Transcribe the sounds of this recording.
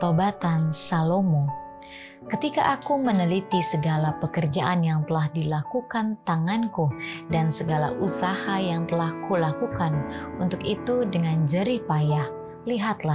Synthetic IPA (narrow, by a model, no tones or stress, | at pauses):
t̪obat̪ansalomo | kət̪ika̰ʔakumənəlit̪isəɡalapəkərd͡ʒaʔanjaŋt̪əlahdilakukant̪aŋankudansəɡala̰ʔusahajaŋt̪əlahkulakukanunt̪ʊkit̪udəŋand͡ʒəɾipajah | liɦat̪la